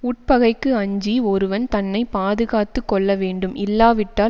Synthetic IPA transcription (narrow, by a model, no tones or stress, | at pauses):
ʊʈ̚pɐɣɐɪkːɯɐɲd͡ʒiɔɾɯʋɐnt̪ɐnːɐɪpaːðɯɣaːt̪ːɯkːɔɭːɐʋeːɳɖɯmɪlːaːʋɪʈːaː